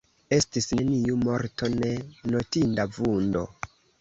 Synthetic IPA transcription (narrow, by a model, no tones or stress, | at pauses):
e̞stisne̞niumo̞ɾto̞ne̞no̞tindavundo̞̰